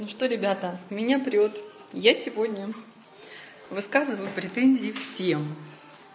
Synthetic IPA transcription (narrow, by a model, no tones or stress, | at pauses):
nuʂt̪oɾʲɪbʲat̪əmʲɪnʲapɾʲot̪ | jasʲɪvo̞dʲnʲə | vɨskazɨvəjʊpɾʲɪt̪enʲzʲɪːfsʲem